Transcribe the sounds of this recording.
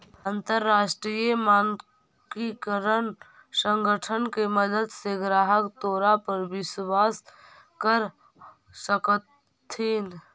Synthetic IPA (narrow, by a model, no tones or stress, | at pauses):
ə̃nt̪əɾːaːʃʈɾijəmaːn | kikəɾən | sə̃ŋɡəʈʰənkeməd̪əd̪seɡɾaːɦəkt̪oːɾapəɾwɪswaːs | kəɾ | səkət̪ʰː | iːn